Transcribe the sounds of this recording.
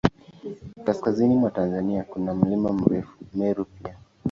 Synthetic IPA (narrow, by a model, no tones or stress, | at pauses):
kaskazinimwatanzaniakunam̩limam̩ɾɛfu̥mɛɾupia